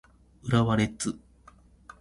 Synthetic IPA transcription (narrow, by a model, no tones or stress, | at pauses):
ɯɾaβaɾe̞t͡sɨ